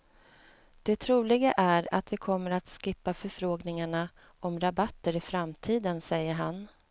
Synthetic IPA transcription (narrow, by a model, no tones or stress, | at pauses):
d̪̥ɛt̪ʰɾuːlɪɡaʔæɾa̰t̪vɪkʰɔmːəɾat̪skɪpːafœɾfɾoːɡnɪŋaɳa | ɔmɾabat̪ːəɾɪfɾamt̪ʰiːd̪ənsɛjːəɾɦan